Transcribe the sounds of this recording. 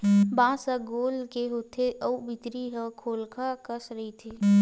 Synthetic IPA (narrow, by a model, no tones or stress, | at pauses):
bãːsəɡoːlkeɦoːt̪ʰeʔəwbɪt̪ɾiɦəkʰoːlkʰakəsɾɐɦit̪ʰeː